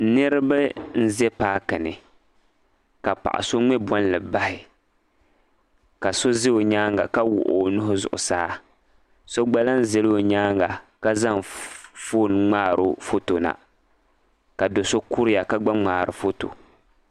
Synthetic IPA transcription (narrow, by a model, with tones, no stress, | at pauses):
nɨ˦ɾɨ˦ba˦n̩˦zɛ˦paː˦kɨ˨nɪ˨ | ka˨pa̰˨ʔa̰˨so˦ŋ͡mɛ˦bɔ˦n˦lɨ˨ba˦hɪ˨ | ka˨so˦zɪ˦o˨ɲaː˦ŋɡa˨ka˦wʊ̰˨ʔo̰˨nʊ˦ɦʊ˦zʊ̰˨ʔʊ̰˨saː˦ | so˦ɡ͡ba˦la˦n̩˦zɛ˨lo˨ɲaː˦ŋɡa˨ka˦za˦ŋfoː˦˨n˨ŋ͡maː˦˨ɾʊ˨fo˦to˨na̰˨ | ka˨do˨so˦ku˦ɾɪ˦ja˨ka˦ɡ͡ba˦ŋ͡maː˨ɾɨ̰˨fo˦to̰˨